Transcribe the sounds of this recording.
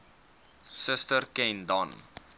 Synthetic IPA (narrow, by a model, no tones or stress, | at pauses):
səstərkɛndɔn